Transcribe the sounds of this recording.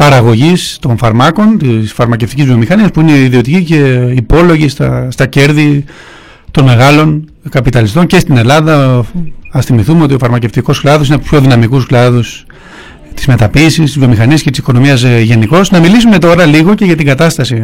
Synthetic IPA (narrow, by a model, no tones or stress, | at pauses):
pɐɾɐɣo̞ʝist̪o̞nfɐɾmɐko̞nt̪isfɐɾmɐceft̪icizvio̞mixɐniɐspuineiðio̞t̪icice̞ipo̞lo̞ʝist̪ɐst̪ɐce̞ɾði | t̪o̞nme̞ɣɐlo̞n | kɐpit̪ɐlist̪o̞nce̞st̪ine̞lɐðɐ | ɐsθimiθumeo̞t̪̬io̞fɐɾmɐce̞ft̪iko̞sklɐðosinepço̞ðinɐmikusklɐðus | t̪izme̞t̪ɐpisist̪izvio̞mixɐniɐscet̪i̥si̥ko̞no̞miɐzʝe̞niko̞snɐmilisume̞t̪o̞ɾɐliɣo̞ce̞ʝɐt̪iɡɐt̪ɐst̪ɐsi